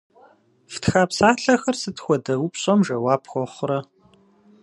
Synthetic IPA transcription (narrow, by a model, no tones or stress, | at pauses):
ftxaːpsaːɬɐxɐrsɨtxʷɔdɐwupɕʼɐmʒɐwaːpʰxʷɔχʷʊɾɐ